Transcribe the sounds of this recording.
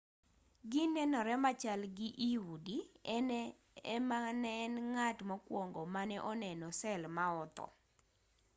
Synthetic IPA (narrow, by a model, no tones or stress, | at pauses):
ɡɪnɛnɔɾɛmat͡ʃalɡɪʔiwudi | ɛmanɛnŋatmakwoŋɡomanɛʔɔnɛnɔsɛlmaɔt̪ɔ̰